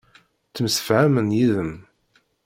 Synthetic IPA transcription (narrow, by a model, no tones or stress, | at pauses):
t͡sːəmsə̥fʕamənjiðəm